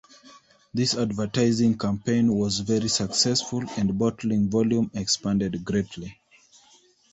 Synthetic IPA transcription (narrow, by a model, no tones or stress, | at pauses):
ðisadvə˞taɪzɪ̃ŋkʰãmpʰẽɪ̃nwɔzvɛɹisəksɛsfulæ̃ndbɔtʰl̩ĩŋvɔljũmɛkspãndɛdɡɹetʰli